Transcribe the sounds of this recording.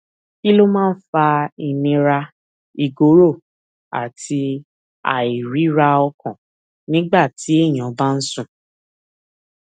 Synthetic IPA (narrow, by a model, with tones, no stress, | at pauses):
ki˦lo˦mãː˦˧n̩˦fa˧i˧˨nĩ˧ɾa˧ | i˧ɡo˨˦ɾo˦˨ | a̰˨tʰi˧ | a̰˨i˨ɾi˨˦ɾa˧ɔ˧kɔ̃˨ | nĩ˦ɡ͡ba˦˨tʰi˨˦e˦˨j̃ã˨˦ba˦n̩˦sũ˦˨